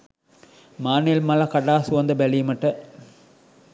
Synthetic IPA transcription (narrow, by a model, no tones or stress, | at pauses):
maːnelmɐlɐkɐɽaːsʊʋɐnd̪ɐbɛlimɐʈːɐ